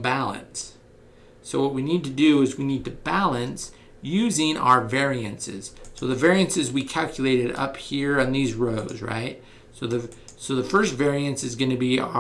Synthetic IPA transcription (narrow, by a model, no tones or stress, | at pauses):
bælˠə̰̃nsː | oʊwʌt̚winid̚tɨdɨɪzwinid̚tɨbælˠɨ̃ns | jʉzɪ̃ŋa̰ʊə˞vɛɹiɨ̃nsɪ̰z̥soʊðɨvɛɹiɨ̃nsɨzwikʰælˠkʰjɨleɪɾɨɾʌ̰phiɹɨ̃nðizɹoʊdzɹa̰ɪt̚ | soʊðɨsoʊðɨfɜ˞stvɛɹiɨ̃nsɨzɡʌñɨbi